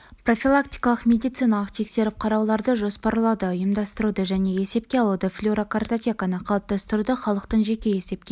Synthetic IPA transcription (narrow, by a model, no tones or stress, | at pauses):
pro̞fʲilˠakt̪ijkɑlˠəqmʲe̞d̪ijt̪sɨjnɑlˠəqt̪ʰe̞kse̞ɾɪp̚qʰɑɾɑwlˠɑɾd̪əʒo̞spɑɾlˠɑd̪əəjəmd̪ɑst̪əɾud̪əʒæne̞e̞se̞p̚kʲe̞ɑlˠud̪əflʲuɾokart̪ot̪ʲekanəqʰɑlˠəp̚t̪ɑst̪əɾud̪əχɑlˠəqt̪əɴʒe̞kʲe̞je̞se̞p̚kʲe̞